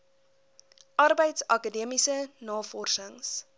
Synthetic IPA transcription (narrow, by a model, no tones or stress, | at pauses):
ʔɐrbəjtsɐkədiəmisənɑːfɔrsəŋs